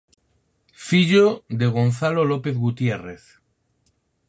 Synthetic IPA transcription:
fiʎod̪e̞ɣ̞o̞nθalolope̞θɣut̪je̞re̞θ

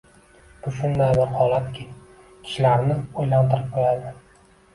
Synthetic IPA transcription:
b̥ʊʃʊnd̪ajbɪɾhɒlˠat̪kʲʰɪ | kʲʰɪ̥ʃlaɾnɪojlant̪ʰɪɾɪp̚qʰojad̪ɪ

